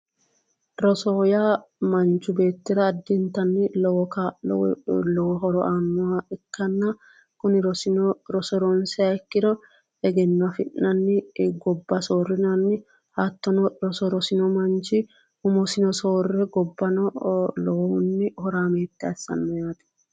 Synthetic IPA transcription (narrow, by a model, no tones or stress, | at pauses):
ɾɔsɔjamɐnt͡ʃːʊbe̞ːt̪ːɪɾɐːd̪ːɪnt̪ːɐnːɪlɔwɔka̰w̰lɔwɔɦɔɾɔʔaːnːʊwaɛkːɐnːɐ | kʊnɪɾɔsɪɾɔsɔɾɔnsɛɐɛkːɪd̪ɔ | ɛɡɛnːɔɐfɪnʔːɐnːɪɡɔbːɐso̞ːrːɪnɐnːɪ | hat̪ːɔnɔɾɔsɔɾɔsɪnɔmɐnt͡ʃɪ | ʊmɔsɪnɔsoːrːɛɡɔbːɐnɔlɔwɔhʊnːɪhɔɾaːmeːt̪ːɛɐsːɐ̰nːɔjaːt̪ɛ̥